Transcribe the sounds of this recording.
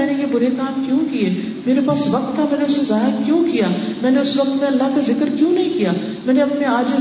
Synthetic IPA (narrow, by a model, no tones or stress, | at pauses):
ɛ̃ːnejebʊɾekaːmkjũːkieː | meːɾepaːsʋɐk̚t̪ʰːamɛ̃ːneʊsezaːɦɾkjõːkijaːmɛ̃ːneʊsʋɐk̚t̪mẽɐlːaɦkazɪkəɾkjũːnɐɦĩkijaː | mɛ̃ːneɐpneaːd͡ʒɪ